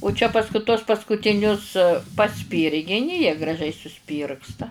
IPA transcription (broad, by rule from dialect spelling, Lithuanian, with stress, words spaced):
ʊ t͡ʃʲɛ pɐsˈkʊ tuɔs pɐskʊtʲɪˈnʲʊs pɐˈsʲpʲiːrʲɡʲɪnʲɪ jiɛ ɡrɐˈʒʲɛɪ sʊˈsʲpʲiːrkstɐ